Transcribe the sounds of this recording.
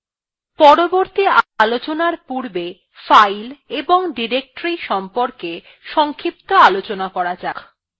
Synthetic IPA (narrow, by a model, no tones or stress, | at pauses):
pɔɾoboɾt̪ialot͡ɕonaɾpuɾbe | fajleboŋɖiɾek̚ʈɾiʃɔmpoɾke | ʃɔŋkʰip̚t̪oalot͡ɕonakɔɾad͡ʑak